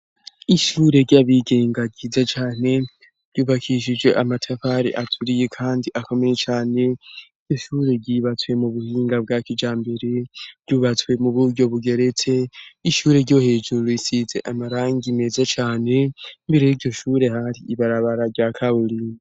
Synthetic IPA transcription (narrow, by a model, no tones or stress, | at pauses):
iʃuːɾe̞ɾɟaβiɡe̞ːŋɡaɡizat͡ʃaːne̞ | ɾɟuβakʰiʃ̬id͡ʒɡe̞ʔamatʰafaɾḭʔatʰuɾijekʰaːndiʔako̞me̞je̞t͡ʃaːne̞iɾɟo̞ʃuːɾe̞ɟiːβat͡swe̞muβuhiːŋɡab̚ɡaːkid͡ʒaːmbe̞ɾe̞ɾɟuβat͡swe̞muβuɾɟo̞βuɡe̞ɾe̞t͡se̞iʃuːɾe̞ɾɟo̞he̞ːd͡ʒuɾuɾoisize̞ʔamaɾaːŋɡiime̞zat͡ʃaːne̞imbeɾijiɾɟo̞ʃuːɾe̞haɾiiβaɾaβaɾaɾɟakʰauɾi